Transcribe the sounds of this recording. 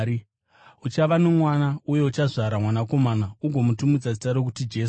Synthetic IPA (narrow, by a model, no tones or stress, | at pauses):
ut͡ʃaʋanomwanauje̞ut͡ʃaʐaɾamwanako̞manauɡʱo̞mutumid͡zasitaɾok̬utid͡ʒe̞s